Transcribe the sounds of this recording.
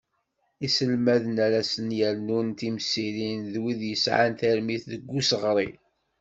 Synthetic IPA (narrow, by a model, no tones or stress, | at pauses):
isəlmæðənæɾæsənjæɾnunt̪imsilinðwiðjəsʕa̰nt̪æɾmiθðəɡʷːusəʁɾˤi